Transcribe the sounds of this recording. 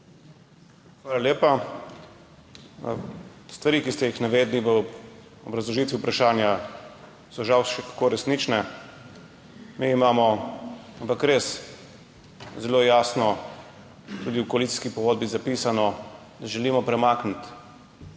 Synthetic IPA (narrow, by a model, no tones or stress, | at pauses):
xʋaːlaljeːpa | st̪ʋaɾiːkist̪ɛjixnaʋeːd̪liʋəɔbɾɐzlɔʒit̪ʋiupɾaʃaːnja | sɔʒawʃɛkḁkoɾɛsniːt͡ʃnɛ | miːmaːmɔampakɾes | zɛloːjaːsnɔ | t̪uːd̪iwkɔalit̪i̥skipɔɡoːd̪̚bizapisanɔ | d̪aʒɛliːmɔpɾɛmaːknit̪